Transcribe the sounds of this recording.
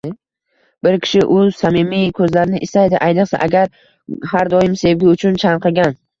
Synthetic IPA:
bɪɾkʲʰɪ̥ʃɪʔʊsamimijkʰɵzlaɾɪnɪʔɪst̪ajd̪ɪʔajnɨqsa̰ʔaɡʲaɾ | haɾd̪ɒjɪmse̞vɡʲɪʊt͡ʃʰʊnt͡ʃʰaɴqʰɨɡʲan

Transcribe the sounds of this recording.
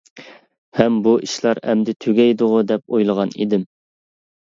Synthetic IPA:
hɛmbuʔiʃlˠɑɾɛ̰md̪ɪt̪ʰøɡʲɛjd̪ʊʁʊd̪ɛp̚ojlˠəʁɑnḭd̪ɪm

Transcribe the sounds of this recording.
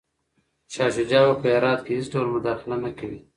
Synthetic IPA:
ʃɑːʃʊd͡ʒɑːwapəjɑɾɑːt̪̚kehɪsʈolmʊd̪ɑːxɪlanakawi

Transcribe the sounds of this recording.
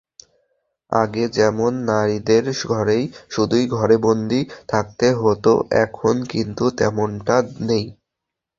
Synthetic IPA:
a̰ɡed͡ʑɛmonːaɾid̪eɾɡʱɔɾejʃud̪ujɡʱɔɾebond̪ʱit̪ʰak̚t̪eɦot̪o̰ʔɛkʰonkint̪ut̪ɛ̰moɳʈanej

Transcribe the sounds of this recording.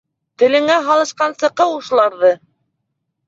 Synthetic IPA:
t̪ɘ̆lɘ̆ŋæɦɑlˠɤ̆ʃqɑnsɤ̆qɤuʃlˠɑɾðɤ

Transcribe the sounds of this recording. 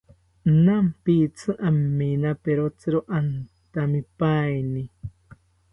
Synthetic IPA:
nampit͡sɨʔamːinapeɾot͡sɨɾoʔant̪amipajni

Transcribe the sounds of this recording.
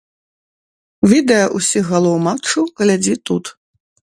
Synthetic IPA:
vʲid̪ɛjɐʔusʲiɣɣalˠɔwmat͡ʂuɣlʲad͡zʲit̪ut̪

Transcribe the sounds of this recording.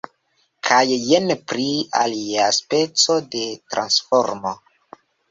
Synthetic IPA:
kʰajːenpɾia̰liaspe̞t͡so̞de̞tɾʔa̰nsfoɾmo

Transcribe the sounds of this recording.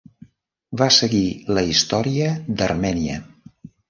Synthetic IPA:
βasəɣiləist̪ɔɾiəd̪ərmɛniə̰

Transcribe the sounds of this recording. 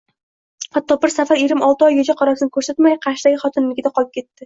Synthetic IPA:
hat̪ʰːɒbɪɾsafaɾjeɾɪmɒlˠt̪ɪɒjːɒd͡ʒaqʰɒɾɒsɪnɪkʰɵɾsat̪majqʰɑɾʃd̪aɡʲɪχɒt̪ʰɪnlɪɡʲɪd̪aqʰɒlˠɪp̚kʲʰe̞t̪ːɪ

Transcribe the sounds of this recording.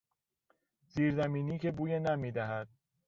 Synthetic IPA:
ziːɾzæmiːniːcʰebuːjenæmiːd̪æɦæd̪̥̚

